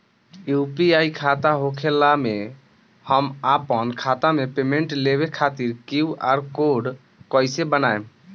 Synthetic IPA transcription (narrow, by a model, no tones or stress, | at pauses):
jupiaikʰat̪aɦokʰelame | həmapənkʰat̪amepemẽɳʈleβekʰat̪iɾkiuʔaɾkoɖ | kɔɪsebənae